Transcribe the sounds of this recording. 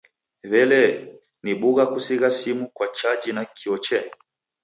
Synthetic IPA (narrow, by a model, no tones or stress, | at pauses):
βɛlɛ | niɓuɣakusiɣasimukwat͡ʃad͡ʒinakʰiɔt͡ʃɛ